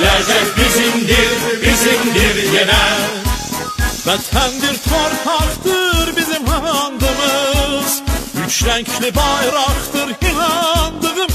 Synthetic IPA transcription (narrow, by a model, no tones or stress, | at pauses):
læd͡ʒɛkbizimd̪iɾbizimd̪iɾjenæ | væzhænd̪iɾt̪ʰoɾpʰɑχt̪ɯɾbizimɦɑɑnd̪ɯmɯzjyt͡ʃlæncʰlibɑjɾɑχt̪ɯɾhinɑnd̪ɯʁɯm